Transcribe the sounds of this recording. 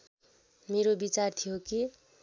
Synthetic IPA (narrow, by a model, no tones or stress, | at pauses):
meɾobit͡sart̪ʰijoki